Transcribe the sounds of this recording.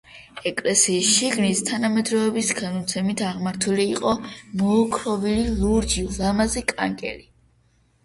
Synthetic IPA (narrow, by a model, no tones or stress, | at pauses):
ɛkʼlɛsiːsʃiɡnist̪ʰanamɛd̪ɾɔɛbisɡanɔt̪sʰɛmit̪ʰaʁmaɾt̪ʰuliːqʼɔmɔːkʰɾɔvililuɾd͡ʒilamazɛkʼa̰ŋkʼɛ̰li